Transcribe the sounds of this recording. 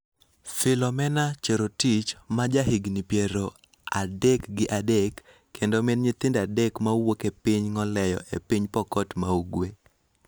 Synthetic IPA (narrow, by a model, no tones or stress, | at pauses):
fɪlɔmɛnat͡ʃeɾotit͡ʃmad͡ʒaɦɪɡnipjeɾo | a̰dɛkɡɪʔadɛkː | endomɪnɲɪt̪ɪndadɛkmawokepiɲŋɔlɛjɔ̰ʔḛpiɲpɔkɔtmauɡwe